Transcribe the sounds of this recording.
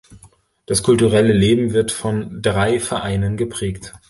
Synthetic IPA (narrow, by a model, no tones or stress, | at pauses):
d̥askʰʊltuʁɛləleːbm̩vɪɐtfɔndʁaɪfɛɐʔaɪnənɡəpʁ̥ɛːkt